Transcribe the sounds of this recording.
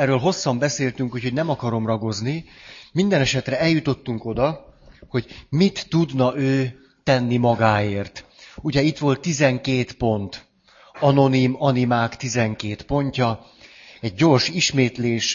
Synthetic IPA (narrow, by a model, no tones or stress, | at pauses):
ɛrːøːlɦo̞sːɒmbɛseːlt̪yŋkucho̞ɟnɛmɒkɒɾo̞mrɒɡo̞znimind̪ɛnɛʃɛt̪rɛɛljut̪o̞t̪ːuŋko̞d̪ɒho̞ɟmit̪ːud̪nɒʔøː | t̪ɛnːimɒɡaːeːrt̪ | uɟɛit̪ʋo̞lt̪ːizɛŋkeːt̪po̞nt̪ | ɒno̞nimɒnimaːkt̪izɛŋkeːt̪po̞ɲcɒ | ɛɟ̚ɟo̞rʃiʃmeːt̪leːʃ